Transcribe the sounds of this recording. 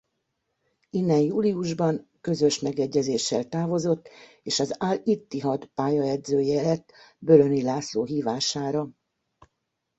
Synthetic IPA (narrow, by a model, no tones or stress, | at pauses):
inːɛnjuːliuʒbɒŋkø̞zø̞ʃmɛɡɛɟːɛzeːʃːɛlt̪aːvo̞zo̞t̪ː | eːʃɒzalit̪ːiɦɒt̪paːjɒɛd̪zøːjɛlɛt̪ːbølønilaːsloːɦiːvaːʃaːɾɒ